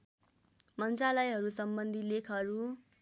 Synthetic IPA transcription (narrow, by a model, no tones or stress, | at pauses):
mʌnt͡sralʌjɦʌɾusʌmbʌnd̪ʱilekʰʌɾu